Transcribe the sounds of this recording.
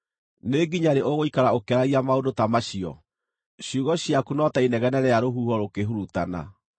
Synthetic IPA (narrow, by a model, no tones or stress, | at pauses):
neɡiɲaɾeʔoɣoikaɾaokɛɾaɣiamaodotamaɕiɔ̰ | ɕjuɣɔɕiakunɔtainɛɣɛnɛɾɛjaɾoɦuhɔɾokeɦuɾutana̰